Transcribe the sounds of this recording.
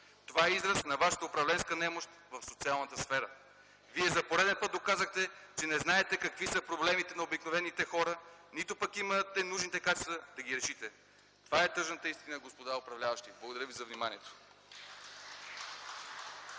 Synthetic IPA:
t̪ovaɛizɾəsnɐvaʃə̥t̪əʊpɾɐvlɛnskənɛmoʃt̪vɐfsot̪sialˠnət̪əsfɛɾə | viɛzɐpoɾɛd̪ɛnpət̪̚d̪okazəxt̪ɛt͡ʃɛnɛznaɛt̪ɛkɐkvisəpɾoblɛmit̪ɛnɐobiknovɛnit̪ɛxɔɾənit̪opɐkimət̪ɛnuʒnit̪ɛkat͡ʃɛst̪vəd̪ɐɡiɾɛʃit̪ɛ | t̪ovaɛt̪ɤʒnət̪əist̪inəɡospod̪aʊpɾɐvlʲavɐʃt̪iblˠɡod̪ɐɾəvizɐvnimaniɛt̪o̥

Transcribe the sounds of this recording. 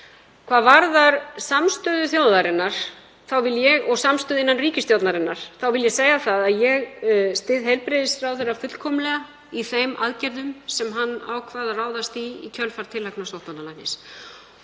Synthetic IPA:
kʰvaːðvaɾðaɾ̥samst̪ʏːðʏθjowðaɾɪnːaɾ̥ | θawvɪljɛɣɔɣsamst̪ʏːðɪnːanriːcɪst̪jowt̪naɾɪnːaɾ̥θawvɪljɛseːjɣaθaðaðjɛɣst̪ɪðɦejlpɾɪðɪsrawθejrːafʏt̪l̥kʰɔmlɛɣa | iθejmʔa̰ðcɛɾðʏmsɛmɦanːa̰wkʰvaːðaraːwðast̪iḭcʰœlfaɾ̥t̪ʰɪlːaknast̪owht̪analajnɪs

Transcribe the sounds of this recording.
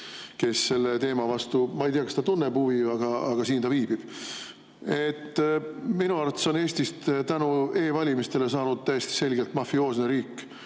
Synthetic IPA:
ke̞sːe̞lːe̞t̪e̞ːmɑvɑst̪umɑejt̪iːɑkɑst̪ɑt̪unːebhuviɑɡ̥ɑɑ̰ɡ̥ɑsiːnt̪ɑviːb̥ib̥ | e̞t̪ːminuɑɾrt̪ːˑeso̞neːsʲt̪ist̪t̪ænue̞ːvɑlʲimist̪e̞le̞sɑːnud̪̥̚t̪æjest̪i̥se̞lɡelt̪mɑfio̞ːsneɾiːkːˑ

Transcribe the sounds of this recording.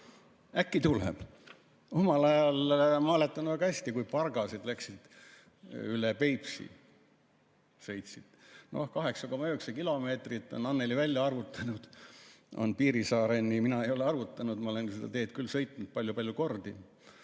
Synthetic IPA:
ækːit̪ulḛb̥ | o̞mɑlɑjɑlmɑɑle̞t̪ːˑɑnuvæɡɑhæsʲt̪ikujpɑrɡɑsed̪̥læksid̪̥ | ylepe̞jpsḭ | sɤ̞jt̪ʲsid̪̥no̞̰hkɑɦe̞ksɑko̞mɑyksɑkilo̞me̞ːt̪rit̪ːˑo̞̰nɑnːelivælʲjɑɑrvut̪ːˑɑnud̪̥o̞̰npiːɾisɑːɾe̞nːiminɑe̞jo̞leɑɾvut̪ːˑɑnud̪̥mɑo̞le̞nsed̪̥ɑ̰t̪e̞ːt̪kylːsɤ̞jt̪ˑnud̪̚pɑlʲjupɑlʲjuko̞rd̪i

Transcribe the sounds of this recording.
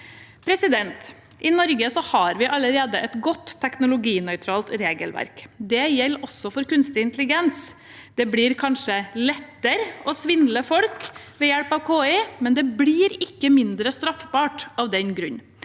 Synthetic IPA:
pʰɾɛsɪd̪ɛnt̪ | ʔɪnɔɾɡəsɔhɑɾʋɪʔɑləɾeːd̪əʔɛt̪ɡɔt̪ʰːɛknʊlʊɡiːnœʏt̪ʰɾɑːlt̪ɾeːɡəlʋæ̰ɾkd̪ɛjɛlːɔsːɔfɔɾkʉnst̪ɪɪnt̪lɪɡɛns | d̪̥ɛbɽiːɾkʰɑnʂəlɛt̪ːəɾəɔsʋɪnd̪ləfɔlkʋɛːjɛɽpɑʋkʰoːɪmɛnd̪ɛbɽiːɾɪkːəmɪnd̪ɾəst̪ɾɑfbɑːʈɑʋd̪ɛnɡɾʉɲː

